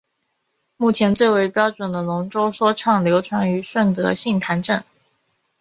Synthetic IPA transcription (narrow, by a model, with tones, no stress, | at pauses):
mu˥˩t͡ɕʰjɛ˧˥nt͡swe˥˩ɪwe˧˥˩ɪpjɑ˥ʊʈ͡ʂwə˨˩nd̪ə˦nʊ˧˥ŋʈ͡ʂo˥ʊʂwɔ˥ʈ͡ʂʰɑ˥˩ŋljo˧˥ʊʈ͡ʂʰwa˧˥ŋy˧˥ʂwə˥˩nt̪ɤ̰˧˥ɕi˥˩ŋt̪ʰa˧˥nʈ͡ʂɤ˥˩n